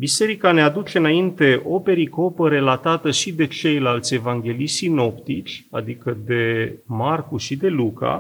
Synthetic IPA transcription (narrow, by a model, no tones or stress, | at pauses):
bise̞ɾikanead̪ut͡ʃe̞ɨnaint̪e̞ʔo̞pe̞ɾiko̞pəɾe̞lat̪at̪əʃid̪e̞t͡ʃe̞jlalt̪sʲe̞vaŋɡʲe̞liʃsino̞pt̪it͡ʃʲa̰d̪ikəd̪e̞markuʃid̪e̞luka̰